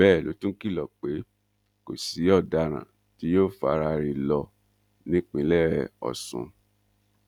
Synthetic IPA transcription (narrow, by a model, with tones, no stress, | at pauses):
bɛː˦˨lo˨˦tũ˦ki˦˨lɔ˨k͡pe˨˦ | ko˨si˨˦ɔ˦˨da˧ɾ̃ã̰˨ | ti˨˦joː˦˨fa˧ɾa˧ɾi˧lɔ˧ | nĩ˨˦k͡pĩ˨˧˦lɛ˦˨ɾɛ˨ɔ̰˨sṵ̃˨˧